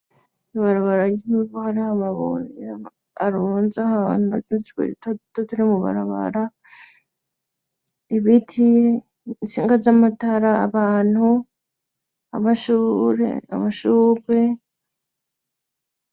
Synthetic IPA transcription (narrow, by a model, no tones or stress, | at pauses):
iβaɾaβaɾaɟivohaɾihamaβo̰ɾja | aɾoːnzahanuatuiti̥kḛɾittotuɾimuβa̰ɾa̰βa̰ɾa | iβitʰi | nʃiːŋɡazamataɾa̰ːβaːn̥hu | a̰maʃuːɾḛa̰maʃuːβe